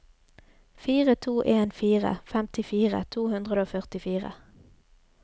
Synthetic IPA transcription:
fiːʁət̪ʰuːʔeːnfiːʁə̰fɛmt̪ɪfiːʁə̰t̪ʰuːhʉnd̪ʁəd̪əoːfœʁt̪ɪfiːʁə̰

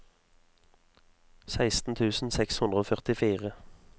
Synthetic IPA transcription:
sæɪst̪n̩t̪ʰʉːsn̩sɛkshʉnd̪ʁəoːfœʁt̪ɪfiːʁə

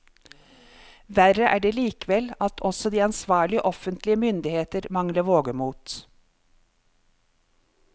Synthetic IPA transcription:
ʋæɾəʔæ̰ːɖeːliːkəʋɛlɑt̪ʰɔsɔd̪iːɑnsʋɑːɭɪəʔɔfənt̪lɪəmʏnd̪ɪheːt̪əɾmɑŋləʋoːɡəmuːt̪

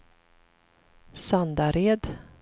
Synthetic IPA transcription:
sand̪aɾeːd̪

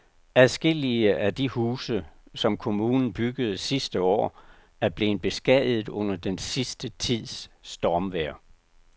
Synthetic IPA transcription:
æðˠsɡ̥e̝l̰iəʔæd̥ihuːsəsɒ̽mkʰo̝muːnn̩b̥yɡ̥əð̞̩ˠsisd̥əɒ̰ː | æɐb̥le̝ːn̩b̥e̝sɡ̥ɛðˠð̩ˠɔ̽n̰ɐd̥ensisd̥ət͡sʰið̰ˠsːd̥ɒːmʋeɐ̰

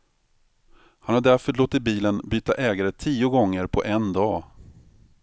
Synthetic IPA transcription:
hanhaɖæɾfœɭoːt̪ːɪt̪̚biːlənbyːt̪aʔɛːɡaɾət̪ʰiːʊɡɔŋːəɾpʰɔ̰ʔɛnd̪ɑː

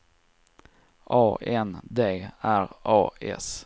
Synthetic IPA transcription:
ʔɑːʔɛnd̪eːæɾɑːɛ̰s

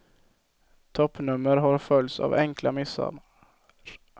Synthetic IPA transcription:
t̪ʰɔpːnɵmːəɾɦaɾfœlt̪sa̰vɛŋklamɪsa̰

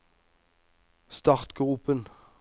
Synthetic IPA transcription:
st̪ɑʁt̪ɡ̥ʁuːpən

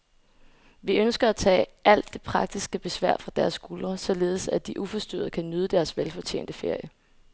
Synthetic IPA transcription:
ʋiønsɡ̥ɐæt͡sʰɛ̰ːʔæl̰d̥ːe̝pʰʁɑ̈ɡ̥̚d̥isɡ̥əb̥e̝sʋæɐ̰fʁɑ̈d̥æɐsɡ̥ulɐsɒ̽le̝ːð̩ˠsæd̥iʔufɒ̽sd̥ø̰ːð̩ˠəkʰænøð̞ˠəd̥æɐsʋelfɒ̽t͡ɕʰḛːnd̥əfe̝ɐ̰jə

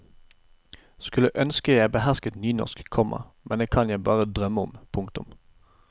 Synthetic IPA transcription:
skʉləʔœnskəjæɪbəɦæʁskət̪nyːnɔ̰ʁskkʰɔmʔɑ̰mɛnd̪eːkʰɑnjæɪbɑːʁəd̪ʁœmːəʊmpʰʊŋkt̪ʊ̰m

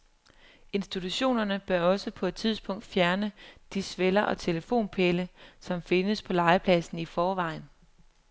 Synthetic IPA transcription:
e̝nsd̥it͡sʰuɕo̝̰ːnɐnəb̥ɶɐɒ̽səpʰɒ̽e̝d̥̚t͡sʰið̞ˠsb̥ɔ̽ŋ̰d̥fjæɐnəd̥isʋelɐʔɒ̽t͡sʰe̝ləfo̝̰ːnpʰeləsɒ̽mfe̝nəspʰɒ̽lɑ̈ɪəpʰlɛsn̩ifɒːʋɑ̈ɪn

